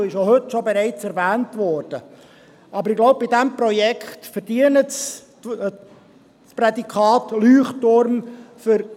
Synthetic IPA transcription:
ɪʃjohɵtʃobɛɾɛɪt͡sɛɾvæːntʋɔːɾd̥ə | ɑbəɾɪɡlɔʊb̚bɪdæmprɔjɛkχtfəɾd̥iənəts | sprɛdikʰχɑːtlyːχtʊɾmfʏɾ

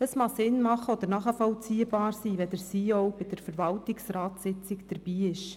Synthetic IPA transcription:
əsmɑsɪnmɑχəɔd̪əɾnɑχəfɔwt͡siəbɑːɾsiːʋɛd̪əɾsiːɔwbɪd̪̥əɾfəɾʋɑltɪksrɑːtsɪt͡sɪkd̥əɾb̥iːɪʃ

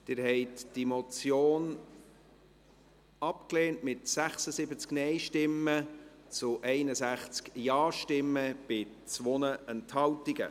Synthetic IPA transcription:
d̪̥ɪɾhɛɪtd̥imɔt͡sjoːn | ɑpkleːntmɪtsæχsəsɪbət͡sknɛɪʃtɪmːə | t͡sʊʔɛɪnəsæχt͡skjɑːʃtɪmːəb̥ɪ | t͡sʋonəʔɛnthɑltiɡə̰

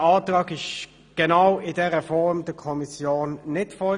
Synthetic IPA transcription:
ɑːtʁɑːɡɪʃ | ɡ̥ɛnaʊɪdɛːʁəfɔʁmd̥əkʰɔmisjoːnːɪtfɔl

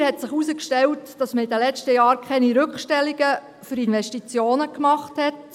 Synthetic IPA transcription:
hɛtsɪχusəkʃtɛltd̥ɑsməidəlɛt͡ʃtəjɑːɾkʰɛniɾʏkχʃtɛlːiɡə | fʏɾinʋɛʃtit͡sjoːnəkmɑχthɛt

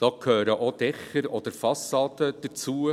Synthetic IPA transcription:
d̥ɑːkʰhøːɾəʔod̥̪ɛχəɾɔd̥̪əɾfɑsːɑːd̪əd̥̪ət͡suə

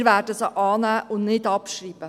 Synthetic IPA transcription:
ɾʋæːdəsɔʔɑːnæːʔʊnnɪd̪ɑpʃɾiːbə

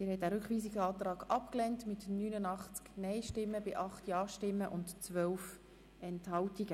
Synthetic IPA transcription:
ɪːɾhɛtdæːɾʏkχʋiːsiɡɑːt̪rɑːɡɑpklɛntmɪtnyːnənɑχt͡sknɛɪʃtɪmːəbɪʔɑχtjɑːʃtɪmːəʔʊntt͡sʋœwf | ɛnthɑltiɡə

